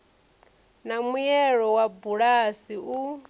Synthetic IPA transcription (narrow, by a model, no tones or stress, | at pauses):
namujɛɺɔwabuɺasiu